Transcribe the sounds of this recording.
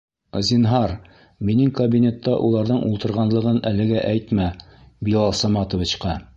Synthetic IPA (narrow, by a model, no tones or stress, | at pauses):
zʲinɦɑɾ | minɘŋkɐbʲinʲe̞t̪ːɑʔulˠɑɾðɤɴʔulˠt̪ɤ̆ɾʁɑnlˠɤ̆ʁɤnælɘ̆ɡæʔæjt̪mæbilˠɑlˠsɑmɑt̪ŏvɤ̆t͡ɕqɑ